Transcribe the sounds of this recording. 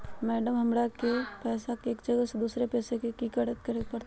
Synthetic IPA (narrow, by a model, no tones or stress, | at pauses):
mɛːɖəmɦɐmɾakepɛːsakeːkd͡ʒɐɡəsed̪uːsɾepɛːsekekikəɽət̪̚kɐɾepɐɾ